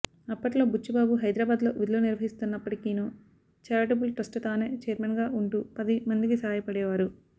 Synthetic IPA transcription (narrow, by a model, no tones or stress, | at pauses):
ɐpːɐʈlo̞ːbut͡ʃːubaːbuɦɐjd̪ɾɐːbaːd̪lo̞̰ːʋid̪uluniɾʋɐɦist̪unːɐpːɐʈikiːnuː | t͡ʃaːɾʈɐbulʈɐsʈɐt̪aːneːt͡ʃɛːɾmɐnɡaːuɳʈuːpɐd̪imɐnd̪ikisaːjɐpɐɽɛːʋaːɾu